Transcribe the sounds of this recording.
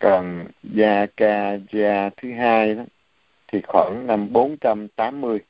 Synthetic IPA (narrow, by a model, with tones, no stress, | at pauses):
kɔ˨˩nzaː˧kaː˧zaː˧t̪ʰɨ˨˦ɦaː˧jɗa˨˦ | t̪ʰi˨˩xwa̰ː˧˩ŋna˧mɓo˨˦nt͡ɕa˧mt̪aː˨˦mːɨ˧əj